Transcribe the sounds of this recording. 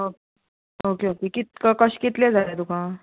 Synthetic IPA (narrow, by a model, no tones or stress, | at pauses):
oke | okeokekit̪kəkəɕkit̪lẽd͡zʱaɾat̪ukã